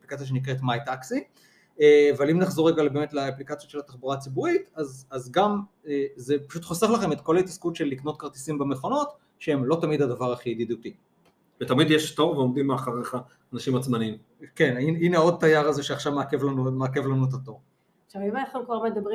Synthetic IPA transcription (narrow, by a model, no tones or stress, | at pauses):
plikat͡sjaʃ̬enikʁetmajtaksi | eavalimnaχzo̞ʁeɡalbe̞ːmetleːplikat͡sijoʃelat̪aχbuʁat͡sibuʁitazazɡam | ezepḁʃut̪χo̞se̞flaχe̞met̪ko̞laitaskutʃelːikno̞tkaʁt̪isimbeme̞χo̞no̞t | ʃeemlo̞tamidadavaʁaχied̪idjoti | vetamid̪jeʃto̞vveomd̪imːeaχaʁeχaː | naʃimat͡smanim | ke̞ninineao̞d̪̚tajaʁazeʃeaχʃavmaːkevlanumaːke̞vlanuet̬ato̞v | χʃavimajaχemkvaʁmedabʁi